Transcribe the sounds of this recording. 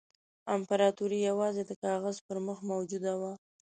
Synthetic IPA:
ampaɾɑt̪uɾijawɑzed̪əkɑɣazpəɾməxmawd͡ʒud̪awa

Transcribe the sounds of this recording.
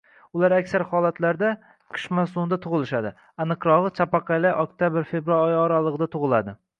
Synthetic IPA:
ʊlaɾakʲsaɾhɒlˠat̪ʰlaɾd̪a | qʰɨ̥ʃmasumd̪at̪ʰʊʁɨlˠɪʃad̪ɪ | anɨqɾɒʁɨt͡ʃʰapɑqʰɑlaʔɒkt̪ʰʲjabɪɾfebɾalˠɒjɒɾalˠɨʁɨd̪at̪ʰʊʁɨlˠad̪ɪ

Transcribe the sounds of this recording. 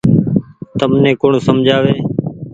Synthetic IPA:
t̪əmnẽːkʊɳsəmd͡ʒʱaːʋeː

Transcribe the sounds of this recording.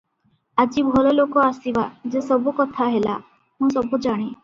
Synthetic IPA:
ad͡ʒibʱɔlɔlokɔasibad͡ʒesɔbukɔt̪ʰaɦela̰ | hũsɔbʱud͡ʒaɽ̃e

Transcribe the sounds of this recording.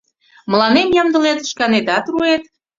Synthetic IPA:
məlɑnemjɑmd̪ə̆let̪ʃkɑnet̪ɑt̪ruet̪

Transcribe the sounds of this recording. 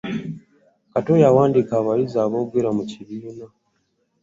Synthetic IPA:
katojawaːndikaːβaɾizaːβoːβwiːɾamuciβiːna

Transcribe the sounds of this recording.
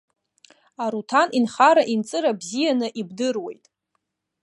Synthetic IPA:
aɾutʰanʔinχaɾaʔint͡sʼɨɾabzijanɨʔibdɨrwe̞̰jtʼ

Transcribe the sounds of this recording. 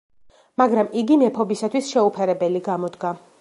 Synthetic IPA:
maɡɾamiɡimɛpʰɔbisat̪ʰwisʃɛupʰɛɾɛbɛliɡamɔd̪ɡa

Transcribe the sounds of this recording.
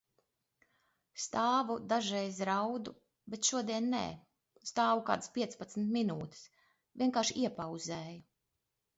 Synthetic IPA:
st̪aːvud̪aʒɛjzɾawd̪u | bet̪ʃuɔd̪iɛnːḛː | st̪aːvuka̰ːd̪ɨspʲiɛt̪spat̪sn̩t̪minuːt̪i̥s | vʲiɛnkaːɾʃiɛpawzɛːju

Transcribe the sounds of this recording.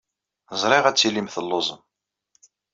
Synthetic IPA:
zˤɾˤɪʁæt͡sːilimθəlːozˤəm

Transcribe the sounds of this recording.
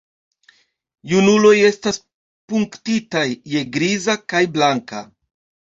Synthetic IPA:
junulo̞je̞stas | puŋktitajːe̞ɡɾizakajblaŋka̰

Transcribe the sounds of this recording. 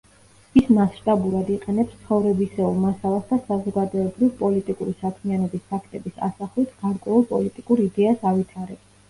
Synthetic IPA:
ismasʃt̪ʼabuɾad̪iqʼɛnɛpst̪sʰχɔvɾɛbisɛulˠmasalˠasd̪asazɔɡad̪ɔɛbɾivpʼɔlit̪ʼikʼuɾisakʰmianɔbispʰakʰt̪ʼɛbisa̰saχlit̪ʰɡ̥aɾkʼwɛulˠpʼɔlit̪ʼikʼuɾid̪ɛasavit̪ʰaɾɛ

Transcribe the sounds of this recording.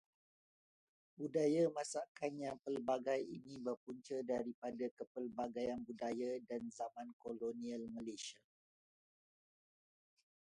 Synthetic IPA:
budajamãsaʔkanɲãpəlbaɡajinĩbərpuɲt͡ʃədaɾipadakəpəlbaɡajanbudajadanzamãnkolonialməleʃia

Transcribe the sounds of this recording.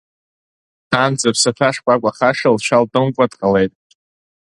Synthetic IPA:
d̥and͡zapʰsafʰaʂkʷʼakʷʼaχaʂalʃʷaldɨmkʷʼadqʼale̞jtʼ

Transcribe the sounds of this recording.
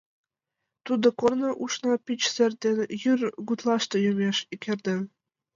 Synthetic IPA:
t̪ud̪ɤ̆kornɤ̆ʔuʃnɑpʲit͡ɕsɘ̆rd̪enjyrɡut̪lˠɑʃt̪ɤ̆jømʲeʃikʲʰĕrʲd̪ɘ̆

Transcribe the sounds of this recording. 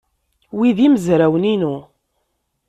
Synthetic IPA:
wiðiməzɾæwəninu

